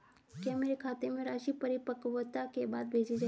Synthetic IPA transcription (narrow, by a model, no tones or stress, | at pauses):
kjameɾekʰaːt̪emẽɾaːʃipɐɾɪpəkʋət̪akebaːd̪̚bʱeːd͡ʒid͡ʒaː